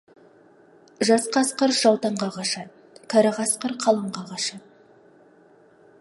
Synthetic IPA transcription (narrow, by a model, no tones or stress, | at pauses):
ʒɑsqɑsqəɾʒɑwˠt̪ɑɴʁɑʁɑʃɑ | kʰɑɾɑʁɑsqəɾqʰɑlˠɑɴʁɑʁɑʃɑ